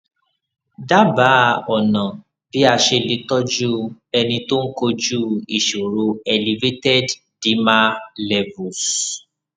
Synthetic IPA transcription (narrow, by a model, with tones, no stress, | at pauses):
da˦ba˨˦˨ɔ˨nã˨ | b̥i˨˦a˦˧ʃe˧le˨˧tɔ˦d͡ʒu˦ɛ˧nĩ˧to˦n̩˦ko˧d͡ʒu˦i˨ʃu˨ɾu˧ɛ˧˨li˨˧ve˦tɛ˦d | d̥i˨˦ma˦lɛ˨vu˨s